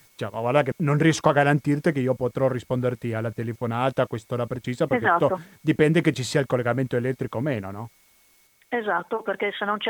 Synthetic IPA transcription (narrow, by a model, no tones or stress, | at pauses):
it͡ʃamaɡwaɾd̪akenonriɛskoaɡaɾant̪irt̪ekeiːopot̪ɾorispond̪ert̪ialːat̪elefonaːt̪akwest̪oːɾapɾet͡ʃiːzapeɾkzat̪ood̪ipɛnd̪eket͡ʃːisiːailkolːeɡament̪oelɛt̪ːɾikomeːnonɔ | ezat̪ːoperkesenːont͡ʃ